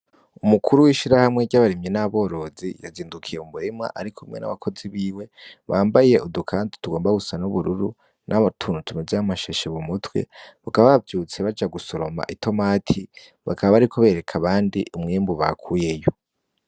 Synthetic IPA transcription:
umukʰuɾuwiʃiɾahamŋe̞ɟaβaɾimɲe̞naβo̞ːɾo̞zijaziːndukʰijemuβuɾimŋa̰ʔaɾikʰomŋena̰βakʰo̞ziβiːwe̞βaːmbaije̞ʔudukʰaːnto̥tuɡo̞ːmbaɡusanuβuɾuɾu | nʔaβatʰuːnutʰumezamaʃeʃeβumutwe̞̰βakaβaββavjuːt͡se̞βad͡ʒaɡusoɾo̞ma̰ʔito̞maːtʰi | βakʰaβaβaɾikʰo̞βe̞ːɾe̞kʰaβaːndiʔumŋiːmbuβa̰kʰuːje̞jo

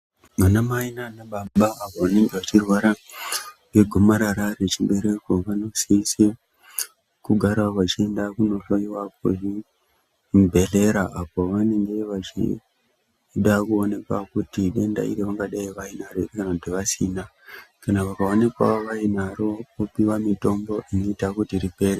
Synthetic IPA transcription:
ʋanamainanaɓaɓaapoʋane̞ŋɡe̞ʋat͡ʃirwaɾa | ɡeɡʱo̞maɾaɾare̞t͡ʃibe̞ɾekoʋano̞siise | kuɡʱaɾaʋat͡ʃie̞ndakuno̞ɬoiwak̚o̰i | m̩bʱe̞ɮe̞ɾaʔːpo̞ʋane̞ŋɡe̞ʋat͡ʃḭ | ɗakuo̞ne̞kwakutiɗe̞nda̰ḭɾeʋaŋɡaɗaiʋainarekanakutiʋasina | kanaʋakaone̞kwa̰oʋainaɾoʋopiwamito̞mbo̞ʔino̞itakutiripe̞re

